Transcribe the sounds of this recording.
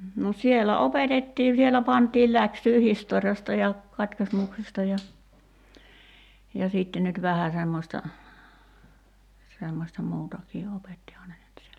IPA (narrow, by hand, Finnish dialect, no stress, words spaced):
no sielæ opetetːiː sielæ pɑntˑiːl læksyː historjɑstɑ jɑ kɑtkismuksestɑ jɑ jɑ siˑtːe nyt ʋæhæ semːosʲtɑ semːosʲtɑ muːtɑkiː opetːihɑː ne nyt sielæ